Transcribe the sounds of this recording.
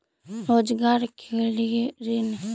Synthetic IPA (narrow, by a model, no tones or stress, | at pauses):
ɾoːd͡ʒɡaːɾkʰeljeɾin